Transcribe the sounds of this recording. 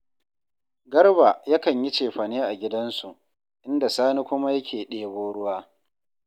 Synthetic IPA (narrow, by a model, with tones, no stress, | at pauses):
ɡɐ˦rba˨ja˦kɐ˨ɲji˦t͡ʃeː˨ɸɐ˨neː˦ʔa˨ɡʲɪ˦dɐ˦nsu˨ʔ | ʔɪ˦nda˨saː˦ni˦kʷʊ˦ma˦jɐ˦kʲeː˨ɗeː˦boː˦ɽʊ˦waː˦